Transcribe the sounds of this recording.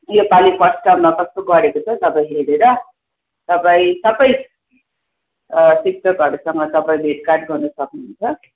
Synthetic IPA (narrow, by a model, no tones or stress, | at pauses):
jopalipʌsʈʌbmakʌst̪oɡʌɾekot͡sʰʌt̪ʌpaĩɦeɾeɾʌ | t̪ʌpaĩsʌbʌj | sik̚ʈʌkʌɾusʌŋɡʌt̪ʌpaĩbʱeʈkarʈɡʌrnʌsʌknunt͡sʰʌ